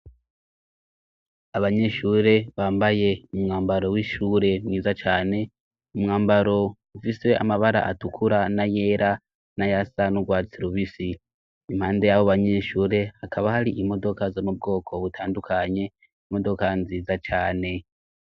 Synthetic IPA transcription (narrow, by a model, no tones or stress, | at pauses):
aβaɲe̞ʃuːɾe̞βaːmbaje̞umŋaːmbaɾo̞wiːʃuːɾe̞mŋiːzat͡ʃaːne̞ | umŋaːmbaɾo̞ | ufise̞a̰maβaɾa̰ʔatukʰuɾanaje̞ːɾa | najasanuɡwaːt͡siɾuβisiː | m̥haːnde̞jaβoβaɲe̞ːʃuːɾe̞hakaβahaɾiʔimo̞do̞kazomub̚ɡo̞ːkʰo̞βutʰaːndukʰaɲe̞ | imo̞do̞kanziːzat͡ʃaːne̞